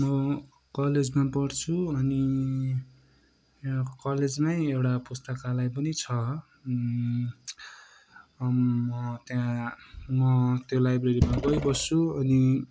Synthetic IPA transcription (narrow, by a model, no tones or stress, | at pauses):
mʌ | kʌled͡zmapʌrt͡sʰuʌni | kʌled͡zmajewʈapust̪ʌkalajp̬ʌnit͡sʰʌ | mʌt̪jã | mʌt̪jolajbreɾimaɡʌjbʌst͡sʰuʌni